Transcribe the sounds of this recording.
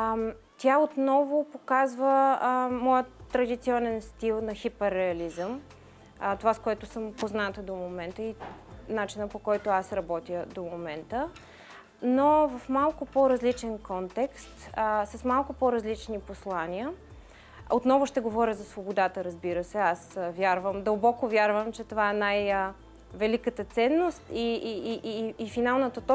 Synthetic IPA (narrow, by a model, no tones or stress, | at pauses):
t̪ʲjaot̪nɔvʊpokazvəmɔjət̪ːɾɐd̪it̪siɔnɛnst̪ilˠnɐxipɛɾːɛɐlizəm | t̪ovaskoɛt̪ʊsəmpoznat̪əd̪omomɛnt̪əinat͡ʃinəpokɔjt̪ʊasɾɐbɔt̪iəd̪omomɛnt̪ə | novɐfmalˠkʊpoɾɐzlit͡ʃɛnkɔnt̪ɛkst̪əsɐsmalˠkʊpoɾɐzlit͡ʃniposlˠaniə | ot̪nɔvʊʃt̪ɛɡovɔɾʲəzɐsvobod̪at̪əɾɐzbiɾəsɛasvjaɾvəmd̪əlˠbɔkʊvʲjaɾvəmt͡ʃɛt̪ovaɛnaj | vɛlikət̪ət̪sɛnːost̪i | finalˠnət̪ət̪ɔ